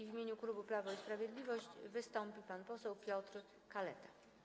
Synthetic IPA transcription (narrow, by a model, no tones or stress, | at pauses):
vʲmʲeɲukɾubɘplavɔispɾavʲjed̪lʲivɔɕt͡ɕvɘst̪ɔmpʲipanpɔsɛwpʲjɔt̪ɾ | kalɛ̰t̪ḁ